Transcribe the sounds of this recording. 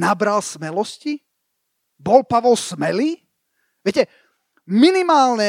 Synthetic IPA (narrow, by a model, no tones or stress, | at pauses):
nabɾalsmɛlɔsci | bɔlpaʋɔlsmɛliː | ʋɪɛcɛ | minimaːlɲɛ